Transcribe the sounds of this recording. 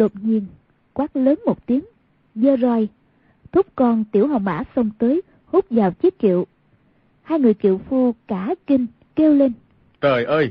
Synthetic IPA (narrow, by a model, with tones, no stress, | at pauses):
ɗo˨˩t̚ɲi˧ən | kwaː˦˥k̚ləː˨˦nmo˨˩t̚t̪i˨˦əŋ | zəː˧zɔ˧j | t̪ʰʊ˦˥k͡p̚kɔ˧nt̪i˧˩əwɦə˨˩wŋ͡mʔa̰ː˧˥sə˧wŋ͡mt̪əː˨˦j | hu˦˥k͡p̚zaː˨˩wt͡ɕi˨˦˥ət̚kḭ˧˨əw | haː˧jŋɨ˨˩əjkḭ˧˨əwfu˧kaː˧˩ki˧ŋ | ke˧wle˧n | t̪əː˨˩jʔəː˧j